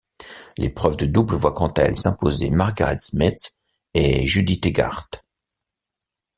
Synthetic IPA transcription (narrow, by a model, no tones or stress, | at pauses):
lʔḛpχœvd̪əd̪ubləvwakɑ̃t̪aɛ̰lsɛ̃pozḛmaʁɡaʁɛ̰t̪smit̪ | eʒyd̪it̪eɡa̰ʁt̪